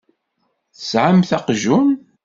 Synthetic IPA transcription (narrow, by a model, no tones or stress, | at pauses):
θəsʕamθæqʒun